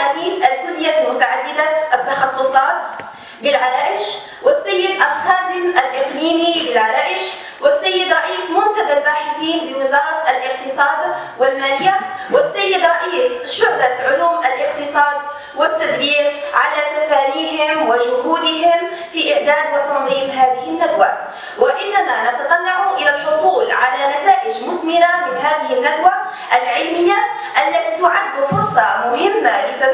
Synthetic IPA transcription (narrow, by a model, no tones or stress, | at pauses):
abiːd̪ʔalkʊljamʊt̪aʕad̪ːɪd̪aʔɪt̪ːɑxɑsˤːʊsˤɑːt̪ | bɪlʕaɾˤaːɪʃ | wɪsːajːɪd̪ʔalxaːd̪ɪmʔalʔɪqliːmibɪlʕaɾˤaːʔɪʃ | wɪsːajːɪd̪ɾˤɑʔiːsmʊnt̪ad̪alwaːħɪd̪iːnbɪwɪzɑːɾˤɑt̪alʔɪq̚t̪ɨsˤɑːd̪wɪlmaːlɪjːawɪsːajːɪd̪ɾˤɑʔiːsʃʊhɾɑʕʊluːmʔalʔɪqt̪ɪsˤɑːd̪̚ | wɪt̪ːad̪biːɾʕalat̪afæːnihɪmwɪʒʊɦuːd̪ɪɦɪm | fiʔɪʕd̪æːd̪wɪt̪ɑnðˤiːfɦæːðɪhɪnːad̪wa | wɪʔɪnːamanat̪at̪ˤɑnːaʕuʔɪlælħʊsˤuːlʕalænæt̪aːʔɪd͡ʒmʊt̪mɪnamɪnɦaːðɪɦɪnːad̪wa | ʔælʕɪlmɪjːa | ʔælːæt̪it̪ʊʕad̪ːʊfʊɾsˤɑmʊhɪmːaʔɪza